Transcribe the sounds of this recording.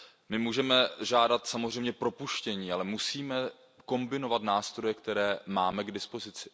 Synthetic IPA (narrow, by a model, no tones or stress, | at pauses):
mɪmuːʒɛmɛʒaːdat̪samozrɛjmɲɛpɾo̞puʃcɛɲiːalɛmusiːmɛ | ko̞mbɪno̞vat̪naːst̪ɾo̞jɛkt̪ɛɾɛːmaːmɛɡdɪspozɪt͡sɪ̥